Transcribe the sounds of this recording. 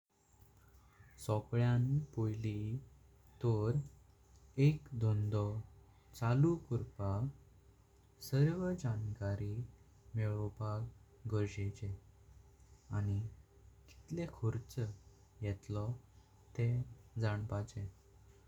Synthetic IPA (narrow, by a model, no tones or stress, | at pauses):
sɔkɭjanpojli | t̪ɔɾ | ekd̪ɔnd̪ɔ | t͡salukuɾpa | səɾʋəd͡ʑankaɾi | meɭɔbʱaɡ | ɡəɾɕet͡ɕe | añi | ki̥t̪lekʰɔɾt͡sə | jɛt̪lɔ | t̪ẽd͡zaɳpat͡ɕẽ